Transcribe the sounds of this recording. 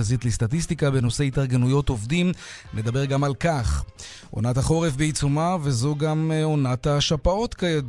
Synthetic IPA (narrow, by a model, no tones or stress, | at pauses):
zit̪lest̪at̪ist̪ikabenose̞itaʁɡe̞nujo̞to̞vdim | nʔe̞d̪abe̞ʁɡamalkaχ | ʔo̰nataχo̞ʁefbeit͡sumave̞zo̞ɡamo̞nat̪haʃapao̞t̪kae